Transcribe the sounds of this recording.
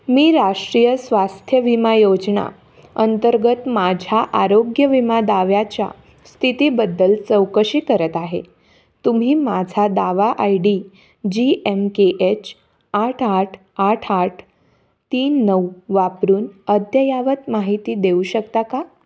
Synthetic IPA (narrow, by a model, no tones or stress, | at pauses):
miːɾaʂʈɾijəsʋast̪ʰjəʋimajod͡zɳa̰ | ənt̪əɾɡət̪mad͡ʑʱaʔaɾoɡjəʋimad̪aʋjat͡ɕja̰ | st̪ʰit̪iːbəd̪ːəlt͡səwkəɕiːkəɾət̪aɦḛ | t̪um̤iːmad͡zʱad̪aʋaʔajɽi | d͡ʑiemkeʔet͡ɕ | aʈʰaʈʰ | aʈʰaʈʰ | t̪iːnːəwʋapɾuːnəd̪ʱjəjaʋət̪maɦit̪iːd̪euɕək̚t̪aka